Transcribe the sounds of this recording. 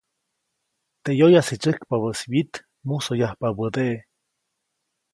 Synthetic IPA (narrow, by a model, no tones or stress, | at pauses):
t̪eʔjojasit͡ʃɨkpaβəswit̪ | musojahpabəd̪eʔe